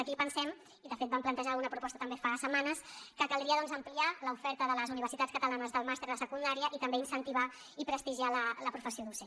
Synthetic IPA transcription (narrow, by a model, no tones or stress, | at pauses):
əkipənsɛm | iðəfet̪̚bamplənt̪əʒalɣunəpɾupɔst̪ət̪əmbefasəmanəskəkəlˠd̪ɾiəðɔnzəmplialəufɛɾt̪əðələzuniβ̞əɾsit̪atskət̪əlanəzðəlˠmast̪eɾðəsəkund̪aɾiəʔit̪əmbeinsənt̪iβa | ipɾəst̪iʒialələpɾufəsioðuse